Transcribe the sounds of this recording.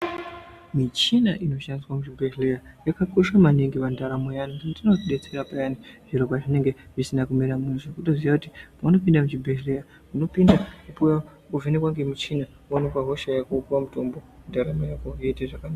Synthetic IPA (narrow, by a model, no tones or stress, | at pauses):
mit͡ʃinaʔino̞ʃandiswamut͡ʃibʱeɦlejajakakoʂamaniŋɡipandaɾamojaniŋɡantino̞ɗet͡se̞ɾapajaniʐirokaʐine̞ŋɡe̞ʐisinakumeɾamunoʐokutoziʋakutipano̞pindamut͡ʃibʱeɦleja | uno̞pindakupuja | kuvenekwaŋɡemit͡ʃina | wanokwaɦo̞ʃajakupuwamuto̞mbondaɾamojakojeteʐakanaa